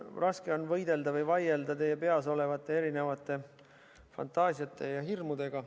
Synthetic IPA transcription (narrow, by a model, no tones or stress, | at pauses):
rʔɑske̞o̞nvɤjd̪e̞ld̪ɑvɤjvɑje̞ld̪ɑt̪e̞jːe̞pe̞ɑs̬o̞le̞vɑt̪ːˑe̞eɾine̞vɑt̪ːˑe̞ | fɑ̰nt̪ːˑɑːsiɑt̪ːˑe̞jɑɦirmud̪̥e̞ɡ̥ɑ